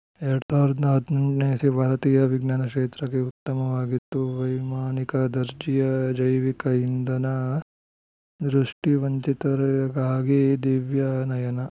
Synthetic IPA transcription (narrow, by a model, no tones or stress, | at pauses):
eɾɐɽɐsaːɾɐd̪nɐɦɐd̪ʱnɐɳʈneːsibʱaːɾɐt̪iːjɐʋiɡnaːnɐkʂeːt̪ɾɐkeut̪ːɐmɐʋaːɡit̪ːuʋɐjmaːnikɐd̪ɐɾd͡ʒijɐd͡ʒɐjʋikɐind̪ɐnɐ | d̪ɾuʂʈiʋɐɲt͡ʃit̪ɐɾɐɡaːɡid̪iʋjɐnɐjɐnɐ